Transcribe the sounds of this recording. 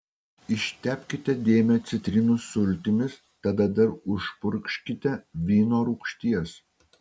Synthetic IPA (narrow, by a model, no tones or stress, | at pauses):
ɪʃʲt̪ʲæːpʲkʲɪt̪ʲɛd̪ʲeːmʲɛt̪sʲɪt̪ʲɾʲɪnʊslʲt̪ʲɪmʲɪs | t̪ɐd̪ɐd̪ɐɾʊʃpʊɾʲkʃʲkʲɪt̪ʲɛʋʲiːnoːɾuːkʃʲt̪ʲiɛs